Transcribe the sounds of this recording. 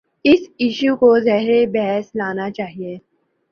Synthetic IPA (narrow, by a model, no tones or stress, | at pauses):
ɪsɪʃukozɛɦɾebɛɦɛslaːnat͡ʃaːɦieː